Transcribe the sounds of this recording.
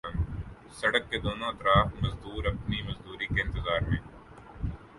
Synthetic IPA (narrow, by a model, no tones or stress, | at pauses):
n | sɐɽəkːed̪oːnõɐt̪ɾaːfmɐzd̪uːɾɐpnimɐzd̪uːɾikeɪ̃nt̪ɪzaːɾmẽː